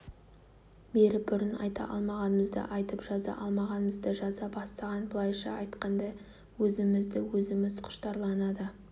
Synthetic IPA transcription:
be̞ɾɪbʊɾɪnɑ̰jt̪ɑ̰ʔɑ̰lˠmɑʁɑnəməzd̪ə̰ʔɑjt̪əpʒ̥ɑzɑ̰ʔɑlˠmɑʁɑnəməzd̪əʒɑzɑpbɑst̪ɑʁɑnbʊlˠɑjʃɑ̰ɑjt̪qɑnd̪ɑ | wɵzɪmɪzd̪ɪwɵzɪmɪzqʰʊ̥ʃt̪ɑɾlˠɑnɑd̪ə

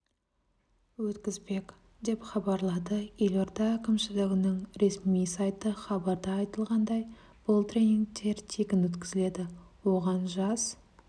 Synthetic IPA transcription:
wɵt̪kʲɪzbe̞kʲ | d̪e̞pχɑbɑɾlˠɑd̪əje̞lo̞ɾt̪ɑækʲɪmʃɪlɪɡʲɪnəɴɾe̞smijsɑjt̪əχɑbɑɾd̪ɑːjt̪əlˠʁɑnd̪ɑj | b̥ʊlˠt̪rʲejniŋk̚t̪e̞ɾt̪ʰekʲɪnwɵt̪kʲɪzɪle̞d̪ɪwo̞ʁɑnʒɑz̥

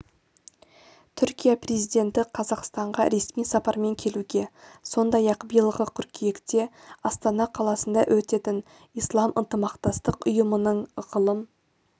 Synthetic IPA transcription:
t̪ʰʏɾkʲijapre̞zijd̪e̞nt̪ɪqʰɑzɑqst̪ɑɴʁɑ̰ɾe̞smijsɑpɑɾme̞ŋkʲʰe̞luɡʲe̞so̞nd̪ɑjɑqbəjlˠʁəkʲʰʏɾkʲʰijekt̪e̞ɑst̪ɑnɑqʰɑlˠɑsənd̪ɑʔɵt̪e̞t̪ɪn | ijslˠɑmʔənt̪əmɑqt̪ɑst̪əqʊjəmənəɴʁəlˠəm

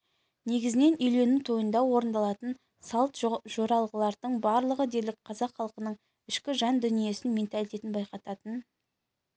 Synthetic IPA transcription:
ne̞ɡʲɪzɪne̞nʏjle̞nɪt̪ʰo̞jənd̪ɑwo̞ɾənd̪ɑlˠɑt̪ən | sɑlˠt̪ʒ̥oɾɑlˠʁəlˠɑɾd̪əɴbɑɾlˠəʁəd̪e̞ɾlɪk̚qʰɑzɑqχɑlˠqənəɴ | ɪʃkʲɪʒɑnd̪ʏnije̞sɪnme̞nt̪alʲijt̪e̞t̪ɪnbɑjqɑt̪ɑt̪ən

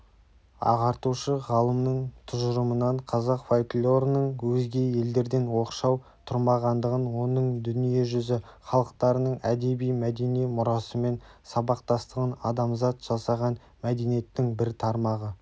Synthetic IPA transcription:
ɑ̰ʁɑɾt̪uʃəʁɑlˠəmnəɴt̪ʰʊʒəɾəmənɑɴqʰɑzɑqfojklʲo̞ɾnəɴwɵzɡʲe̞je̞ld̪e̞ɾd̪e̞nwo̞qʃɑw | t̪ʰʊɾmɑʁɑnd̪əʁənwo̞nəɴd̪ʏnije̞ʒʏzɪχɑlˠəq̚t̪ɑɾənəɴæd̪e̞bijmæd̪e̞nijmʊɾɑsəme̞nsɑbɑq̚t̪ɑst̪əʁənɑ̰d̪ɑmzɑt̪ʒ̥ɑsɑʁɑn | mæd̪e̞nije̞t̪ːɪŋbɪɾt̪ʰɑɾmɑʁə

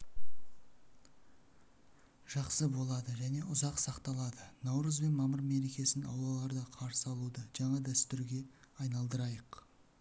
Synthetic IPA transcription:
ʒ̥ɑqsəbo̞lˠɑd̪əʒæne̞ʔʊzɑqsɑqt̪ɑlˠɑd̪ənɑwɾəzbe̞nmɑməɾme̞ɾe̞kʲe̞sɪnɑ̰wlˠɑlˠɑɾd̪ɑqʰɑɾsəɑlˠud̪əʒɑɴɑd̪æst̪ʏɾɡʲe̞ɑjnɑlˠd̪əɾɑjəq

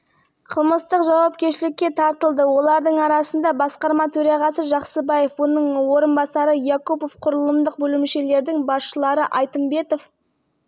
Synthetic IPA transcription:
qʰəlˠməst̪əqʒɑwɑpkʲe̞ɾʃɪlɪkʲːe̞t̪ʰɑɾt̪əlˠd̪əwo̞lˠɑɾd̪əɴɑɾɑsənd̪ɑbɑsqɑɾmɑt̪ʰɵɾɑʁɑsəʒɑqsəbɑje̞fwo̞nəɴwo̞ɾənbɑsɑɾəjakupofqʰʊɾəlˠəmd̪əq̚bɵlɪmʃe̞le̞ɾd̪ɪŋbɑsʃəlˠɑɾəʔɑjt̪əmbe̞t̪o̞f

